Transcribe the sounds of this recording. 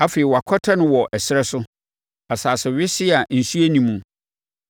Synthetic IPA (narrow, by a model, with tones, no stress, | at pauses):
a˦feː˨i˨wa˨kʷʰɔ˦tʰa˦nʊ̃˦wɔ˨ʔɛ˨sɪ˦ɾɛ˦sʊ˦ | a˨saː˨sɛ˨ɥɪ˦sɪ˦a˨n̩˨su˦e˦nĩ˦mũ˦